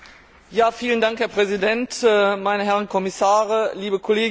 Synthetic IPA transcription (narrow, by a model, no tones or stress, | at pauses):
jaːfiːləndaŋkhɛɐpʁ̥ɛzidɛntɛːmaɪnəɦɛʁənkʰɔmɪsaːʁəliːbəkʰɔleːɡ